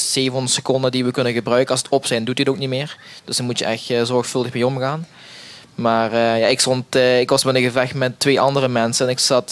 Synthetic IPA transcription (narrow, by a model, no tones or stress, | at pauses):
seːvənnəsəkɔndədiʋəkɵnəɣəbrœɥkəɑlsətʰɔpsɛjndutiətowk̚nitmɪːɹd̥øsdəmutjəʔɛxtːzɔɹxfɵlˠdəxmejɔmɣaːn | maːrəja̰ɪkstɔntːɪkʋɑsmɛdənɣəvɛxtmɛtːʋeːʔɑndərəmɛnsəɛnɪksɑt